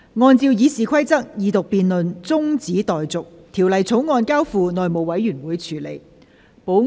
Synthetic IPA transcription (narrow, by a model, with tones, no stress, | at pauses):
ŋɔː˧nt͡siː˧wjiː˨˧siː˨kʰɐ˥jt͡sɐ˥k̚jiː˨˧t̪ʊ˨k̚piː˨nlɵ˨nt͡sʊ˥ŋt͡siː˨˥t̪ɔː˨jt͡sʊ˨k̚t̪ʰi˨˩wlɐ˨jt͡sʰo˨˥wŋɔː˧nkaː˥wfuː˧nɔː˨jmo˨˩wɐ˨˥jːyː˨˩nwuː˨˧jt͡sʰyː˨˩le˨˩j | po˨˥w